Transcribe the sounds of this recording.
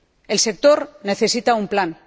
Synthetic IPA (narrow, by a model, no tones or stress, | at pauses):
e̞lse̞k̚t̪o̞ɾne̞θe̞sit̪aumplan